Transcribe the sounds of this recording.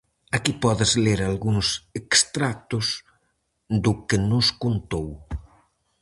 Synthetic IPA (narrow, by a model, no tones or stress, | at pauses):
akipɔðɪzleɾalɣuŋsekst̪ɾak̚t̪ʊz | d̪ʊkenʊskont̪ow